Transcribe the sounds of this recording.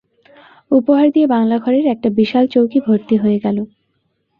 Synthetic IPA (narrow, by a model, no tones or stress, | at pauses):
upoɦaɾd̪ijebaŋlaɡʱɔɾeɾɛk̚ʈabiʃalt͡ɕowkibʱoɾt̪iɦoeɡɛlo